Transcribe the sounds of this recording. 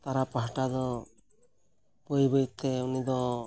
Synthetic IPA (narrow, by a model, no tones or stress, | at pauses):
t̪aɾapaɦaʈad̪ɔ | pɔjbɯjt̪ɛunid̪ɔ